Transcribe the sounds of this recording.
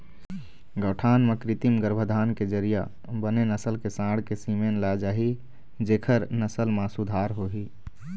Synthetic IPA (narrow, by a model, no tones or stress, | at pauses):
ɡəʈʰaːnmẽkɾit̪imɡəɾbʱəd̪ʱaːnked͡ʒəɾija | bənenəsəlkesãɽ̤kesimenlad͡ʒaɦi | d͡ʒekʰəɾnəsəlmãsud̪ʱaːɾɦoɦi